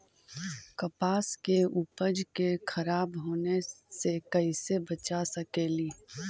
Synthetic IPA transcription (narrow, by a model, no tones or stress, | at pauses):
kɐpaːskeʔupəd͡ʒkekʰɐɾaːbɦoːnesekɐisebɐt͡ʃasɐkeːliː